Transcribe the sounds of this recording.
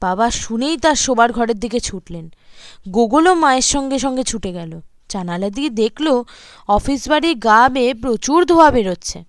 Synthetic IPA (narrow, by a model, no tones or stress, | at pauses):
b̥abaʃunejt̪aɾʃobaɾɡʱɔɾeɾd̪ʱiket͡ɕʰuʈlenɡoɡolomaeɾʃɔŋɡeʃ̬ɔŋɡet͡ɕʰuʈeɡɛlo | t͡ɕanalad̪ied̪ekʰlo | ɔfisbaɽiɾɡabepɾot͡ɕuɾd̪ʱoabeɾotːɕʰe